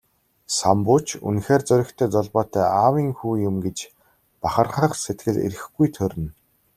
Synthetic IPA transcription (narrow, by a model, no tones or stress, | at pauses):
sampʊt͡ɕʰṵnxeːrt͡sœɾʲɪ̆kt̪ʰœːt͡sɔɮpɔːt̪æːʔaːwiːŋxuːjʊmɡet͡ɕ | paχə̆rχə̆χset̪̚ɡɘ̆ɮḛɾɘ̆xɡujt̪ʰɵɾʲɘ̆n